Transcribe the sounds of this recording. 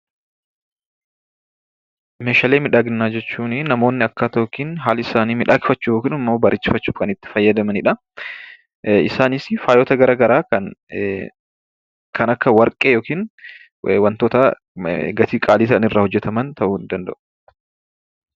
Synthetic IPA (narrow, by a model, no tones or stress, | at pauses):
meːʃaːleːmɪᶑaːɡɪnːaːd͡ʒɛt͡ʃːuːnɪnɐmo̞ːnːɪɐkːaːt̪ɐoːkiːnɦaːlɐɪsaːniːmɪᶑaːkɪfɐt͡ʃːuːjoːkiːnɐmːoːbɐɾʔɪt͡ʃːɪfɐt͡ʃːuːfkɐnɪt̪ːɪ̥fɐjːɐd̪ɐmɐnɪᶑɐ | ɪsaːnɪsfaːjoːt̪ɐɡɐɾaːɡɐɾaːkɐn | kʰɐnɐkːɐwɐɾkʼeːjoːkiːn | wɐnt̪oːt̪ɐ | ɡɐt̪iːkʼaːliːt̪ɐɐnɪrːaːhɔd͡ʒːɛt̪ɐmɐnt̪ʰɐʔʊːnd̪ɐnd̪ɐ̰ʔʊ̥